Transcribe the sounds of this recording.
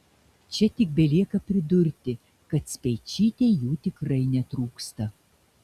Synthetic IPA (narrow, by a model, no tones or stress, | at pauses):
t͡ʃʲɛt̪ʲɪk̚bʲɛlʲiɛkɐpʲɾʲɪd̪ʊɾʲt̪ʲɪ | kɐt̪sʲpʲɛjt͡ʃʲiːt̪ʲejuːt̪ʲɪkɾɐɪnʲɛt̪ɾuːkst̪ɐ